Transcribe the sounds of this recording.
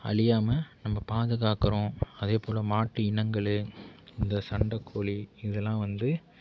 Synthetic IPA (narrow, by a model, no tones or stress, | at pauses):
ɐ̰ɭɪjaːmɐnɐmːɐpaːðɯɣaːkɐɾõːɐðeːpoːlɐmaːʈːɯɪɳɐŋɡɐɭɯɪnd̪ɐsɐɳɖɐkʰːoːɭiɪðɛlːãːʋɐnd̪ɯ